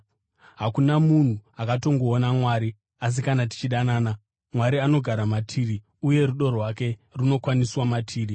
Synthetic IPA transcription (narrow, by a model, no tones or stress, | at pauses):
ɦakunamun̤uakato̞ŋɡo̞ːnamwaɾi | as̬ikanat̬i̥t͡ʃiɗanaːna | mwaɾiano̞ɡʱaɾamatʰiri | uje̞ruɗo̞rwake̞runo̞kwaniswamatʰiːri